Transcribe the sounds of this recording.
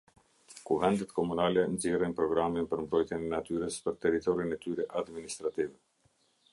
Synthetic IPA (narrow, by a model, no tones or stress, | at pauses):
kuvɛnd̪ɛt̪kɔmunalɛnzirɛnpɾɔɡɾaminpəɾmbɾɔjt̪jɛnɛnat̪yɾəspəɾt̪ɛɾit̪ɔɾinɛt̪yɾɛʔad̪minist̪ɾat̪ivɛ